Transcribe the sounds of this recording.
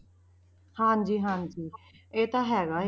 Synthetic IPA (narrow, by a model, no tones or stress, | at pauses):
hãːd͡ʒiːɦãːnd͡ʒiː | eːt̪aːɦɛːɡaːɦ